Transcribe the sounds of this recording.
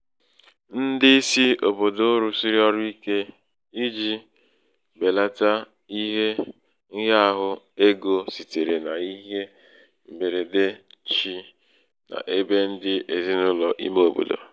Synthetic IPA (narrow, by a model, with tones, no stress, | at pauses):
n̩˦dɪ˦si˦o˨bo˨do˦ɾu˨si˦ɾi˦ɔ˦ɾʊ˦i˦ke˦ | i˦d͡ʒi˦ | be˨la˦ta˦ | i˦ɦe˦ | ŋ̩˦ɦa˦a˦˨ɦʊ˦ | e˦ɡo˨si˨te˨ɾe˨na˨i˦ɦe˦ | m̩˨be˨ɾe˨de˦t͡ʃi˦ | na̰˨ʔe˦be˦n̩˦dɪ˦ʔe˨zi˦nʊ˦lɔ˨ʔḭ˦mo˦o˦˨bo̰˨do̰˨